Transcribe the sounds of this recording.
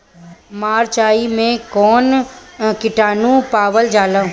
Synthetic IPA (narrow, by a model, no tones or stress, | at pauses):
maːɾt͡ʃaːimẽkɔːnkɪʈaːnũpaːʋəld͡ʒaːlə̃